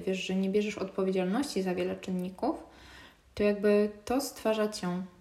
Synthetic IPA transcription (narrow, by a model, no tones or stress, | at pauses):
vʲjɛʂʐɛɲɛbʲjɛʐɛʂɔt̪̚pɔvʲjed͡ʑalnɔɕt͡ɕizavʲjɛlɛt͡ʂɘnːikuf | t̪ɔjaɡ̚bɘt̪ɔst̪faʐat͡ɕɛ̃